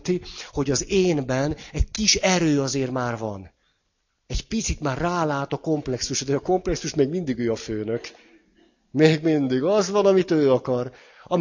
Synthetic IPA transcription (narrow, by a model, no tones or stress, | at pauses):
t̪iho̞ɟɒzeːnbɛnɛɟ̚kiʃɛɾøːɒzeːrmaːrvɒ̰n | ɛɟpit̪sit̪maːrːaːlaːt̪ɒko̞mplɛksuʃd̪ɛɒko̞mplɛksuʃmeːɡmind̪iɡøːɒføːnøk | meːɡmind̪iɡɒzʋɒnɒmit̪øːɒkɒr | ɒm